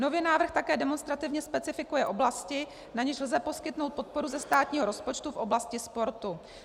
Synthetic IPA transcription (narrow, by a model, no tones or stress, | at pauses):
no̞viːnaːvɾr̩xt̪akɛːdɛmo̞nst̪ɾat̪ɪvɲɛspɛt͡sɪfɪkujɛʔo̞blascɪ | naɲɛʃl̩zɛpo̞skɪt̪no̞wt̪po̞t̪̚po̞ɾuzɛst̪aːt̪ɲiːɦoɾo̞spo̞t͡ʃt̪ufʔo̞blascɪspo̞ɾt̪u